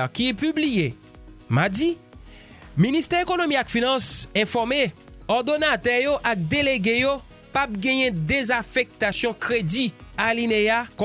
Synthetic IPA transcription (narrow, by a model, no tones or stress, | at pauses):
kipyblije | madi | minist̪ɛʁekonomiakfinɑ̃sɛ̃fɔʁme | ɔʁd̪onat̪ɛjoʔak̚d̪eleɡejo | pap̚ɡɛ̃jɛ̃d̪ezafɛk̚t̪asjɔ̃kʁedialineak